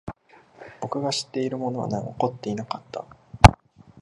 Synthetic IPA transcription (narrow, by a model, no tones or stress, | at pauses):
bo̞kɯ̟ɡaɕi̥t̪ːe̞iɾɯ̟mo̞no̞βa̰na̰oko̞t̪ːe̞inakat̪ːa̰